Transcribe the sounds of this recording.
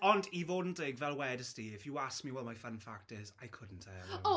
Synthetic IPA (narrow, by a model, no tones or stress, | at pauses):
əndivoːdⁿn̩tɛɡvɛlˠwɛːdəsteːɪfjəaskmiwɔlˠmajfə̃nfak̚tɪzajkʰʊdⁿn̩tʰɛ